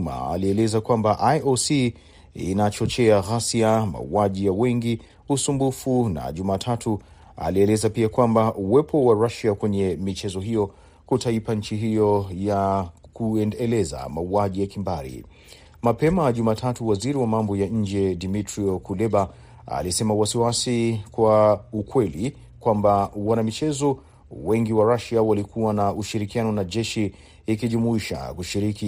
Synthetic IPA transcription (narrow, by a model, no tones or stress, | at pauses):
ma̰a̰liɛlɛzakwambaʔajosi | ḭnat͡ʃɔt͡ʃɛaɣasiama̰uaʄijawɛŋɡi | usumbufuna̰ʄumaːtʰatʰu | a̰liɛlɛzapiakwambaʔuwɛpʰɔwaɾaʃiakwɛɲɛmit͡ʃɛzɔɦijɔ | kutaipaɲ̩t͡ʃiɦijɔjakuɛnɛlɛza̰mauaʄijakimbaɾḭ | mapɛmaʄumatʰatuwaziɾiwamambɔjaɲ̩d͡ʒɛdimitɾiɔkulɛɓa | a̰lisɛmawasiwasikwaukwɛli | kwambawanamit͡ʃɛzɔ | wɛŋɡiwaɾaʃiawalikʰuwanauʃiɾikianɔnaʄɛʃiː | kiʄumuiʃa̰kuʃiɾiki